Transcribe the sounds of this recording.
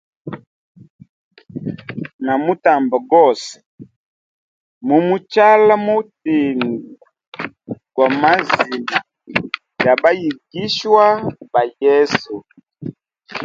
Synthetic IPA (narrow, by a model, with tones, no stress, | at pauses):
na˨mu˦ta˨mba˨ɡɔ˦˨sɛ̥˨ | mu˨mu˦t͡ʃa˦la˦mu˦ti˨ŋɡu˨ | kwa˨ma˦zi˨na˨ | ja˨ba˦ji˨ɡi˦ʃwa˦ba˨jɛ˦su˨